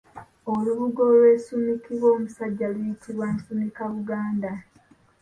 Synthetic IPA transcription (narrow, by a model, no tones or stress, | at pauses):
oluβuɡo̞lwe̞ːsumikiβwo̞ːmusaɟːalujitʰiβwansumikaβuɡaːnda